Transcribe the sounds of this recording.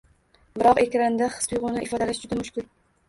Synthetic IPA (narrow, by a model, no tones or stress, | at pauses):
bɪɾɒqe̞kʲɾand̪aχɨ̥spʊjʁʊnɪʔɪfɒd̪alaʃd͡ʒʊd̪amʊʃkʲɪl